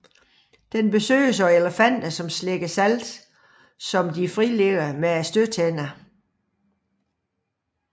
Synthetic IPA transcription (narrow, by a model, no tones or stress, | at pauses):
d̥enb̥e̝sø̰ːs̬ɒ̽eləfæn̰d̥ɐsɒ̽msleɡ̥əsæld̥ | sɒ̽md̥ifʁile̝ɡ̥ɐmeæsd̥øt͡sʰen̰ɐ